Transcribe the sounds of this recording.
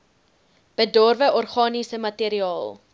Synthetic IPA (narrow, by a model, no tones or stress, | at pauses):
b̥ədɔrvəʔɔrχɑːnisəmɐtiɾiɑːlˠ